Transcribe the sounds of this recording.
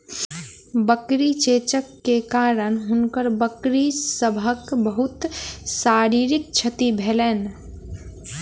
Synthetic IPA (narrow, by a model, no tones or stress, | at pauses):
bəkɾit͡ʃet͡ʃəkːekaɾənɦunkəɾbəkɾisəbʱəkbəɦut̪saɾiɾik̚t͡ʃʰət̪ibʱelɛn